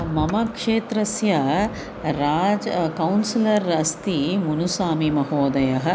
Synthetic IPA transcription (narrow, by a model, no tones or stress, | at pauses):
mɐmɐkʂeːt̪ɾɐsjɐ | ɾaːd͡ʒkɐwnsilɐɾɐst̪imunusaːmimɐɦoːd̪ɐjɐɦɐ̆